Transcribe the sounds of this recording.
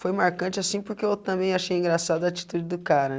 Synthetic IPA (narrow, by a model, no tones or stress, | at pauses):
fojmaɾkɐ̃t͡ʃɪasĩpoɾkeewt̪ɐ̃mbẽj̃aʃejĩŋɡɾasad̪ʊɐːt͡ʃi̥t̪ud͡ʒɪd̪ʊkaɾɐ